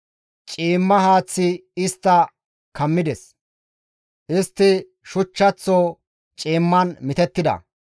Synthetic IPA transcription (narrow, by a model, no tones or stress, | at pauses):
t͡ʃʼiːmːɐɦaːt͡sːɪɪst̪ːɐ | kɐmːɪd̪ɛs | ʔɪst̪ːɪ | ʃʊt͡ʃːɐt͡sːoː | t͡ʃʼiːmːɐnmɪt̪ɛt̪ːɪd̪ɐ̰